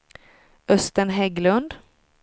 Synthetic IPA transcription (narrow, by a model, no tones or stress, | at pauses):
ʔœst̪əɳɦɛɡlɵnd̪